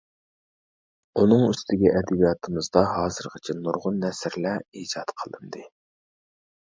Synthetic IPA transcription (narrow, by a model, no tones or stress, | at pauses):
unɨŋyst̪ʰɪɡʲɛʔɛd̪ɪbijɑt̪ʰɨmɨzd̪ɑɦɑːzɨɾʁət͡ʃʰɛnuɾʁʊnːɛsɾlɛid͡ʒɑt̪qʰəlˠɨnd̪ɨ